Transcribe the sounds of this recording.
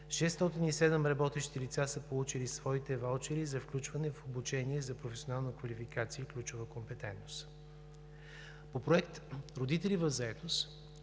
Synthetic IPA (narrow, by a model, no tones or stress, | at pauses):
ʃɛst̪ɔt̪inisɛd̪ɛmɾɐbɔt̪ɛʃi̥t̪ilit̪sasəpolˠut͡ʃilisvɔit̪ɛvalˠt͡ʃɛɾizɐfklʲut͡ʃvɐnɛfobut͡ʃɛniɛzɐpɾofɛsʲionalˠnəkvɐlifikat̪siəklʲut͡ʃʊvəkompɛt̪ɛnt̪nost̪ | popɾoɛkt̪ɾod̪it̪ɛlivɐvzɐɛt̪os